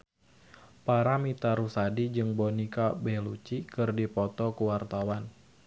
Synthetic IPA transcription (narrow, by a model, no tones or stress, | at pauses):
paɾamit̪aɾusadid͡ʒɨŋbɔnikabɛlut͡ʃikɨrdipɔt̪ɔkuwart̪awan